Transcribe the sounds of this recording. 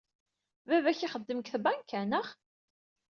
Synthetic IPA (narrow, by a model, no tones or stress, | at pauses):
vævæçiχəd̪ːəməkθbænkʰːænəχ